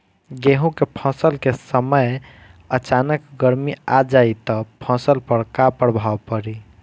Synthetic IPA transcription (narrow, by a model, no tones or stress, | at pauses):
ɡeɦũkepʰə̃səlkesəməj | ət͡ʃanəkɡəɾmiad͡ʒait̪ɔpʰə̃səlpəɾkapəɽbʱawpəɾi